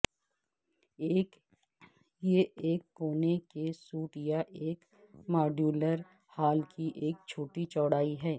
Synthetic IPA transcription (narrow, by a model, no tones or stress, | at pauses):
eːk | jeʔeːkːoːnekesuːʈjaʔeːk | maːɖjuːləɾ | haːlkiʔeːk̚t͡ʃʰoːʈit͡ʃɔːɽaːiɦɛː